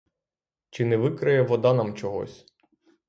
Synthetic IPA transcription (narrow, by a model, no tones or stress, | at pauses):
t͡ʃɪnɛʋɪkɾɪjɛʋɔd̪ɑnɑmt͡ʃɔɦɔ̰sʲ